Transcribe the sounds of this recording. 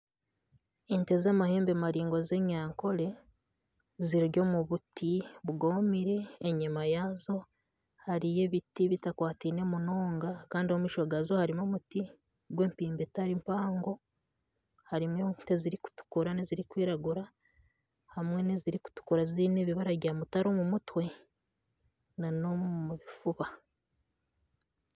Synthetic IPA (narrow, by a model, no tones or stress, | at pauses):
ente̞zaːmaheːmbemaɾiːŋɡoze̞ɲaːŋko̞le̞ | ziɾiɾjo̞ːmuβutiβuɡomiɾe̞ːɲimajazo̞ | haɾije̞βitiβitakwaːtiːne̞muno̞ːŋɡakaːndiomiʃoɡazohaɾimomuti | ɡwe̞ːmpiːmbetaɾimpaːŋɡo̞ | haɾimwenteziɾiku̥tu̥kuɾaneziɾikwiːɾaɡuɾa | hamŋe̞neziɾiku̥tu̥kuɾaziːneβiβaɾaβɟaːmutaɾo̞ːmumutwe̞ | nanomuβifuβa